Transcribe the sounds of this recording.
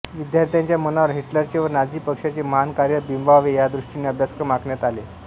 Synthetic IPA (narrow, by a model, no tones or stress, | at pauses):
ʋid̪jaɾt̪ʰjaɲt͡ɕjamənaʋəɾɦeʈləɾt͡ɕeʋəɾnad͡ʑiːpəkʂat͡ɕeməɦankaɾjəbimbaʋejad̪ɾuʂʈinːeəbʱjaskɾəmakɳjat̪ale